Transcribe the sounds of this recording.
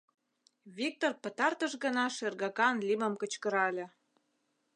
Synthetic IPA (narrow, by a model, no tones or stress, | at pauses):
βik̚t̪orpə̆t̪ɑrt̪əʃɣə̆nɑʃerɣɑkɑnlʲiməmkə̆t͡ɕkə̆ɾɑlʲĕ